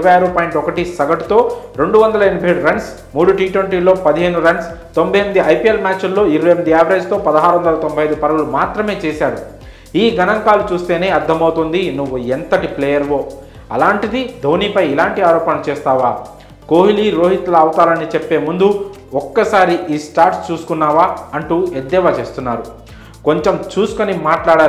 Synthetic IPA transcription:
ʋɐjaːɾupaːjiɳʈɔkɐʈisɐɡɐʈut̪o̞ːɾe̞ɳɖuʋɐnd̪ɐlɐeɳibʱɐɦeːɽuɾɐɳɖs | muːɽuʈiːʈweɳʈiːloːpɐd̪iɦe̞ːnuɾɐɳst̪o̞mbʱɐjɐmɐd̪iɐjpiːelmʲaːt͡ʃulːo̞ːiɾɐʋɐjmɐd̪iaːʋɐɾeːd͡ʒt̪o̞ːpɐd̪ɐɦaːɾuʋɐnd̪ɐlɐt̪ombʱɐjɐjd̪upɐɾɐɡulumaːt̪ɾɐme̞ːt͡ʃeːsaːɾu | iːɡɐnɐŋkaːlut͡ʃuːst̪e̞ːne̞ːɐɾd̪ʱːɐmɐwt̪ond̪inuʋːuent̪ɐʈipleːjɐɾʋo̞ː | ɐ̰laːɳʈid̪id̪ʱoːniːpɐjilaːɳʈiaːɾɔːpɐnɐt͡ʃeːst̪aːʋaː | koːɦiliːɾo̞ːɦit̪lɐːwt̪aːlɐnit͡ʃepːe̞ːmund̪u | ɔkːɐsaːɾiʔiːsʈaːɾʈst͡ʃuːsu̥kunːaːʋaːɐɳʈued̪ːɛːʋaːt͡ʃe̞ːst̪unːaːɾu | ko̞ɲt͡ʃemt͡ʃuːsu̥konimaːʈlaːɽaː

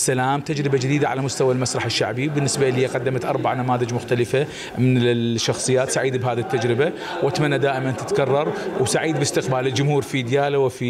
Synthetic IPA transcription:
sːalaːmt̪ad͡ʒɾɪbad͡ʒɪd̪iːd̪aʕa̰lamʊst̪awalmasɾˤɑħɪʃːa̰ʕbibɪnːɪsbaʔliːaqɑd̪ːamat̪ʔɑɾˤbaʕnamaːðɪd͡ʒmʊxt̪alɪfa | mɪnɪʃːɑxsˤɨjːaːt̪saʕiːd̪bɦaːðit̪ːad͡ʒɾɪba | wʔat̪manːad̪aːʔɪmant̪ɪt̪kɑrˤːɑɾˤwsaʕiːd̪bɪst̪ɪqbaːlɪld͡ʒʊmhuːɾfid̪jaːlawɪfi

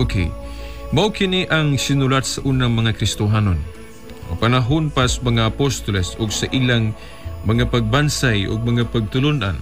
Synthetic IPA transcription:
ʔokʰḛjmawkɪniʔaŋsɪnulat̪̚saʔunaŋmɐŋakɾɪst̪ʊɦanon | panaɦonpasmɐŋaʔːpost̪olɛsʊɡsaʔilaŋ | mɐŋapaɡ̚bansajʔʊ̰ɡ̚mɐŋapaɡ̚t̪ʊlʊnʔa̰n

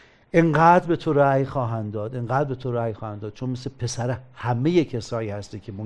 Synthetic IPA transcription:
ʔeŋɢæːd̪ɾbe̞t̪ʰoɾæːjxɒːɦænd̪d̪ɒːd̪eŋɢæːd̪ɾbe̞t̪ʰoɾæːjxɒːhænd̪ɒːd̪̥̚t͡ʃʰonmeslepʰe̞sæɾehæmejecʰesɒːjiːhæst̪ikʲʰemo

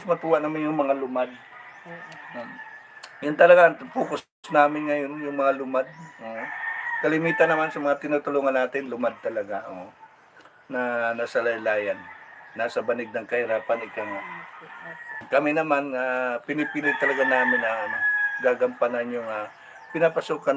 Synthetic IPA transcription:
smɐt̪uːwaʔnɐmanjʊŋmɐŋalʊmad̪̚ | jʊnt̪ɐlɐɡaŋp̪uːkʊ | snaːmɪnŋɐjonjʊŋmɐŋalʊmad̪̚ʔoʔkɐlɪmiːt̪ɐnɐmansɐmɐŋat̪ɪnuːt̪ʊluːŋɐnːaːt̪ɪnlʊmad̪̚t̪ɐlɐɡaʔoʔ | nɐnasɐlɐjlaːjɐnːaːsɐbɐnɪɡ̚nɐŋkɐhɪɾaːpɐnɪkaŋa | kɐmɛnɐmanapɪnɪpiːlɪɡ̚t̪ɐlɐɡanaːmɪnːɐɐnoɡaːɡɐmpanɐnjʊŋa | pɪnapɐsukɐ

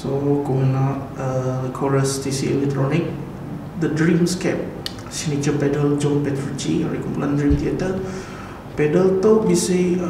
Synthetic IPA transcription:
sokomənaʔəəkʰɔɹəst̪isiɛ̰lɛk̚t̪ɾɔnik̚ | dədɹĩmskɛ̰p̚ | sinit͡ʃəpɛdəld͡ʒɔ̃npɛt̪ɾut͡ʃḭɹḭkũmpulandɹĩmt̪iat̪ə | pɛdəlt̪obise

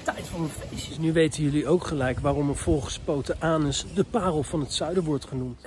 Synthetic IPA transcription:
tɛjtfɑnəfesnyʋejtənjɵliowkχəlɛjkʋaːrɔməvɔlˠχə̥spowtəʔaːnəsdəpaːrəl̩ˠvɑnɦətsœɥdəɹʋɔɹtχənumt

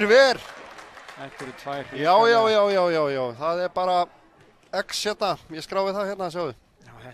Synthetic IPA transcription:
ɾvɛɾ̥ | ɛt̪ɪɾɪt̪ʰvajɾjaːwjaːwjaːwjaːwjaːwjaːwθaðɛɾpaːɾa | ɛksçjɛt̪̚najɛskɾaːwvɪθaðçjɛt̪nasjaːwðʏ

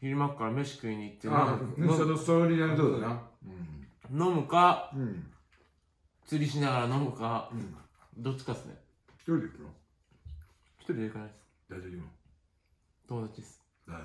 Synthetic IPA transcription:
çʲiɾɯmakːaɾamʲeɕi̥kɯiɲ̟iːt̪ːe | nosoɾʲid̪ad̪oːd̪aa | no̞mɯ̟ka | t͡sɨɾʲiɕinaɣaɾano̞mɯ̟ka | d̪o̞t͡ɕːi̥kasɨnḛ | çi̥t̪oɾʲid̪ekɯno | çi̥t̪oɾʲid̪ekanad̪s | d̪̥aoimo | t̪o̞mod̪at͡ɕid̪esɨ̥

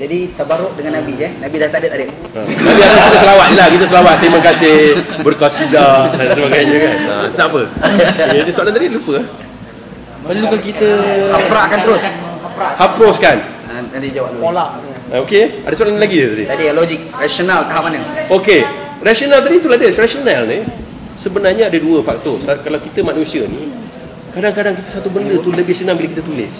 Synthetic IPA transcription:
d͡ʒadit̪əbaɾʊʔdəŋanːabid͡ʒənabidat̪adət̪adət̪ | ə̰nabiadakit̪əsəlawat̪̚lakit̪əsəlawat̪̚t̪əɾimakasɪhbərkasidas̬əbaɡajɲəkana̰t̪apəedəsoalant̪adilupə | pəlukankit̪əapɾaʔkant̪əɾʊshapɾahapɾoskan | adadid͡ʒawappolaʔaokeadasoalanlaɡidət̪adḭt̪adilod͡ʒik̚rasionalt̪aɦap̚manəoke | rasionalt̪adit̪uladərasionalni | səbənarɲəadəduəfak̚t̪ɔsakalawkit̪əmaʔ̚nusiənḭ | kadaŋkadaŋkit̪əsat̪ubəndət̪uləbɪhsonaŋbiləkit̪ət̪ulɪ̰s

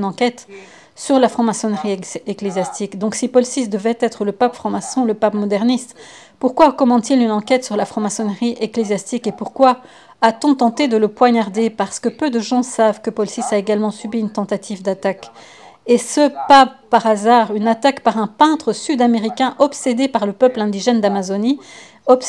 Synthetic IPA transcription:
nɑ̃kʲɛt̪ | syʁlafχɑ̃masɔnʁieklezjast̪ikd̪ɔ̃ksipɔlsis̬d̪əvɛt̪ɛt̪χələpapfχɑ̃masɔ̃ləpapmɔd̪ɛʁnist̪ | puʁkwakɔmɑ̃d̪t̪ilynɑ̃kʲɛt̪syʁlafχɑ̃masɔnʁiʔeklezjast̪ikepuʁkwaː | t̪ɔ̃t̪ɑ̃t̪ed̪ələpwaɲaʁd̪epaʁsə̥kəpød̪əʒɑ̃savkəpɔlsisaeɡalmɑ̃sybiynt̪ɑ̃t̪at̪ʰivd̪at̪ak | esəpappaʁazaʁynat̪akpaʁɛ̃pɛ̃t̪χəsyd̪ameʁikʲɛ̃ʔɔpsed̪epaʁləpœplɛ̃d̪iʒɛnd̪amazɔni | ɔp

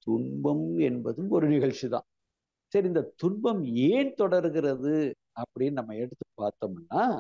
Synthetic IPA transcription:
t̪ʊɳbɐmɛnbɐðɯmɔɾɯnɪɣɐɭt͡ʃːiðã̰ː | sɐɾiɪnd̪ɐt̪ʊɳbɐmeːnt̪ɔɽɐɾɯɣɪrɐðɯ | ɐpːɐɽɪjenɐmːɐɛɽɯt̪ːɯpːaːɾt̪ɐːmɛnːaː

